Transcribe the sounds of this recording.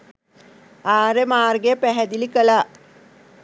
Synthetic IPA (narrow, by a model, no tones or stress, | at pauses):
aːɾemaːrɡeəpæɦɛd̪ilikəlaː